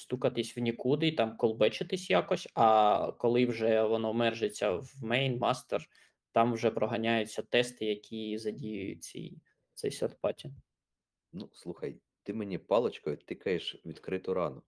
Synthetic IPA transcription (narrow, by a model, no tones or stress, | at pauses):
st̪ukɐt̪ɪsʲwnʲikud̪ɪt̪ɑmkɔlˠbɛt͡ʃɪt̪ɪsʲjakɔsʲɐkɔlˠɪwʒɛʋɔnɔmɛrʒet͡sʲːɐwmɛjnmɑst̪er | t̪ɑmwʒɛpɾɔɦɐnʲajʊt͡sʲːɐt̪ɛst̪ɪjɐkʲʰizɐdʲijʊjʊ̰t͡sʲḭj | t̪sɛ̰jsɐrt̪pɑtʲi | nuslˠuxɐ̰j | t̪ɪmenʲipɑlˠɐt͡ʃkɔjʊt̪ɪkɐjeʃʋʲid̪kɾɪt̪ʊɾɑnʊ